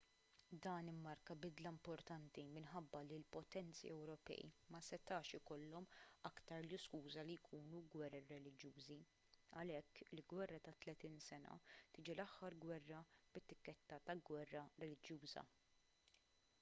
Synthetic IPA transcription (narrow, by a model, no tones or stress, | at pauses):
d̪ɐːnɪmːɐɾkɐbɪd̪lɐmpɔɾt̪ɐnt̪imɪnħɐbːɐlilpɔt̪ɛnt̪t͡sḭɛwɾɔpɛ̰ːjḭmɐsɛt̪ɐːʃɪkɔlːɔmɐkt̪ɐɾljɪskuːzɐlijkʰuːnuɡwɛrːiɾɛlɪd͡ʒjuːzi | ɐlɛkːɪlɡwɛrːɐt̪ɐt̪lɛt̪iːnsɛnɐ̰t̪ɪːd͡ʒilɐħːɐɾɡwɛrːɐbɪt̪ːɪkːɛt̪ːɐt̪ɐɡwɛrːɐɾɛlɪd͡ʒjuːzɐ̰